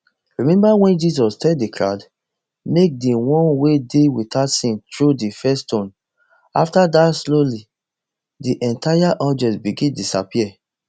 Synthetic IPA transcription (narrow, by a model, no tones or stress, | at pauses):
ɹimɛ̃mbawɛ̃nd͡ʒis̬ɔstɛdikʰɹa̰d | mek̚dewɔ̃nwedewidatsĩntɹudifɛstõn | aftadasloli | diʔɛ̃ntajaʔɔd͡ʒɛ̃nsbiɡĩndisa̰piɛ